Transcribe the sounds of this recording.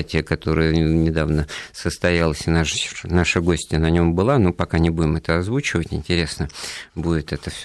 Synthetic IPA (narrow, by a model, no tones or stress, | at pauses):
tʲɪjəkɐt̪o̞ɾɨjənʲɪd̪avnəsəst̪ɐjalˠəsʲɪnaʂnaʂɨɡo̞sʲtʲɪnɐnʲo̞mbɨlˠanopɐkanʲɪbudʲɪmɛt̪əɐzvut͡ɕɪvətʲɪ̰nʲtʲɪɾʲe̞snəbudʲɪt̪ɛt̪əfsʲ